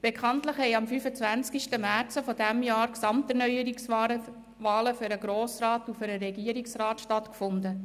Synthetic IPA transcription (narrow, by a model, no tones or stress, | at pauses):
b̥ekʰχɑntləχhɛɪɑmfyfət͡svænt͡skiʃtəmæɾt͡səfɔdæmjɑːɾksɑmtɛɾnœʏəɾiks | vɑːləfʏɾəɡɾoːsɾɑːtufʏɾəɾɛɡiːəɾiksrɑːtʃtɑtkfʊndə